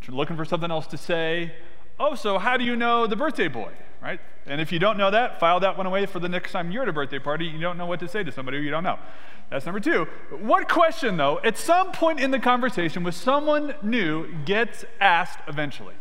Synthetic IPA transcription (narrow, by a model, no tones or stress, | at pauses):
tʰlʊkɪ̃ŋfə˞sʌ̃mθɪ̃ŋɛlˠstʰɨseɪ | oʊsoʊɦaʊɾɨjɨnoʊðɨbɜ˞θd̥eɪbɔ̰ɪ | ɹa̰ɪt̚ | ɨ̃nɨfjɨdõʊ̃nːoʊðɨtfaɪlˠðət̚wʌ̃ɾ̃əweɪfə˞ðɨnɪkstʰãɪ̃mjə˞ɾɨbɜ˞θ̚d̥eɪpʰɑɹɾijɨdõʊ̃nːoʊwʌtɨseɪɾɨsʌ̃mbɑɾihʉjɨɾõʊ̃nːoʊ | ðætsnʌ̃mbə˞tʰʉ | wʌt̚kʰw̥ɛst͡ʃɨ̃nðoʊʔɨtsʌ̃mpʰɔ̃ɪ̃ntɨ̃nðɨkʰɑ̃ɱvə˞seɪʃɨ̃nwɨð̥sʌ̃mwʌ̃nːʉ | ɡɛts | æsktɨvɛ̃nt͡ʃl̩ˠḭ